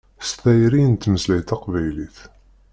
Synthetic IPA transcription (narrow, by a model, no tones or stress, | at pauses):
st̪æjɾint̪məzlæjt̪ɑqvæjliθ